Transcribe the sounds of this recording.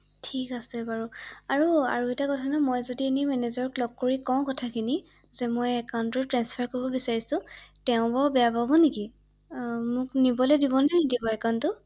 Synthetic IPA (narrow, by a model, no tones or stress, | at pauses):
tʰikasɛbaɹuaɹua̰ɹuɛtakɔtʰanɔmojzodienimɛnezɔɹklɔɡ̚koɹikɔ̃kɔtʰakʰini | zɛmojɛkantɔtɹɛnspʰaɹkoɹibɔbisaɹisʊ̃tɛʊ̃babɛjapabɔneki | mʊknibɔlɛdibɔnadibɔɛkantʊ